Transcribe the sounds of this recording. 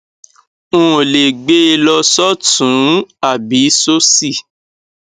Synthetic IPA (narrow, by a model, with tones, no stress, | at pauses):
ũ˦˨le˨ɡ͡be˦˧lɔ˧sɔ˦tũ˨˦a˦˨bi˨˦so˦si˦˨